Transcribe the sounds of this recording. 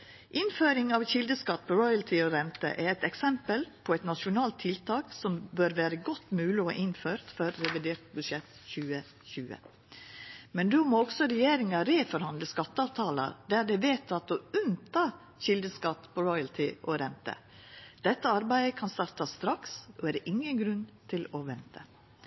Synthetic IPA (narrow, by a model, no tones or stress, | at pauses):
ʔɪnføːɾɪŋɑʋçɪld̪əskɑt̪̚ːpʰɔɾɔʏɑlt̪ʰɪɔɾɛnt̪ə̰ʔɛɾɛt̪ɛksɛmpəlpʰɔɛt̪nɑʂʊnɑːlt̪ʰːɪlt̪ʰɑːksɔmbøːɾʋæːɾəɡɔt̪ːmʉːlɪɔ̰ʔɪnføːɾt̪fɔɾːɛʋɪd̪eːɾʈ̪bʉʂɛt̪ | çʉːə | çʉːə̰ | mɛnd̪ʉmoːɔɡsɔɾɛjeːɾɪŋɑɾeːfɔɾhɑnd̪ləskɑt̪ːəɑːʋt̪ʰɑːlɑ̰ɾd̪æɾɖɛʋeːt̪ʰɑt̪ɔʉnt̪ʰɑː | çɪld̪əskɑt̪ːpʰɔɾɔʏɑlt̪ʰɪʔɔɾɛnt̪ə̰ | d̪̥ɛt̪ːəɑɾbæɪəkʰɑnst̪ɑɾt̪ɑst̪ɾɑksɔæːd̪ʔɪŋːənɡɾʉnt̪ʰɪlɔʋɛnt̪ʰə